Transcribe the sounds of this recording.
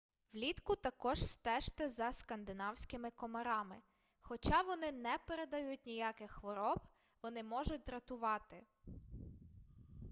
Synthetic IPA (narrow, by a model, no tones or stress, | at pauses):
ʋlʲit̪kʊt̪ɐkɔʒ̥st̪ɛʃt̪ɛzɐskɐnd̪ɪnɑwsʲkɪmɪkɔmɐɾɑmɪ | xɔt͡ʃɑʋɔnɪnɛpeɾed̪ɐjut̚ʲnʲijɑkɪxxʋɔɾɔb | ʋɔnɪmɔʒʊt̚ʲd̪ɾɐt̪ʊʋɑt̪ɪ